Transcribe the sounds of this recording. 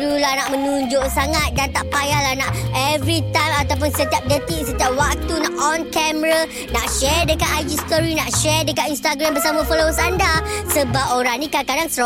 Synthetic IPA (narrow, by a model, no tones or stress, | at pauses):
ɾulanaʔmə̃nũɲd͡ʒoʔsaŋat̪̚dant̪aʔpajalahnaʔɛvɾit̪ãjmat̪awp̬ʊnsət̪iap̚dət̪iʔsət̪iap̚wak̚t̪unaʔɔnkɛməɾa | naʔʃɛdəkat̪ajd͡ʒist̪ɔɾinaʔʃɛdəkat̪inst̪aɡɾambəsamãfɔlosandasəbap̚oɾaŋnĩkakadaŋsəɾo